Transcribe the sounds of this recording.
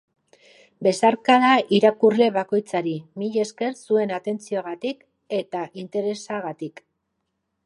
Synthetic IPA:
be̞saɾkaðaʔiɾakurle̞βako̞jt͡saɾimiʎe̞ske̞ɾsue̞nat̪e̞nt͡sio̞aɣ̞at̪ik | e̞t̪aʔint̪e̞ɾe̞saɣat̪ik

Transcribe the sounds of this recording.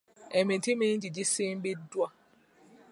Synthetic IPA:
ɛmĩtimind͡ʒid͡ʒisimbidwa

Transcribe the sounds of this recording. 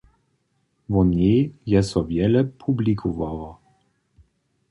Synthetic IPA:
vɔnejɛsɔvjɛlɛpʰublikʰuvawa

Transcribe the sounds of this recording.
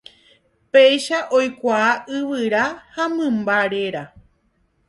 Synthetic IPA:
pejʃaʔojkʷaːʔɨʋɨɾahamɨ̃mbaɾe̞ɾa

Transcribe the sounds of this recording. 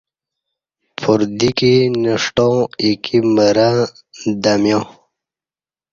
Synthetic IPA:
pʰuɾd̪ikinəʂʈõikʰiməɾa | d̪amjõ

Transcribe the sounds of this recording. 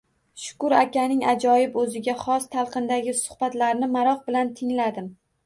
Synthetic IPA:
ʃʊ̥kʊɾakʲanɪŋad͡ʒɒjɪbɵzɪɡʲaχɒst̪ʰalˠqʰɨnd̪aɡʲɪsʊ̥hb̥at̪laɾnɪmaɾɒχbɪlant̪ʰɪŋlad̪ɪm

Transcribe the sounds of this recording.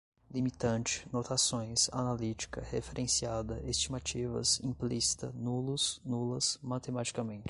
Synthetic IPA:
limit̪ɐ̃nt͡ʃɪ̥not̪asõj̃sa̰nalit͡ʃi̥kɐhefeɾʔẽsiad̪ɐest͡ʃimat͡ʃivɐ̰zĩplisi̥t̪ɐ̰nulʊznulɐsmat̪emat͡ʃi̥kɐmẽnt͡ʃɪ̥

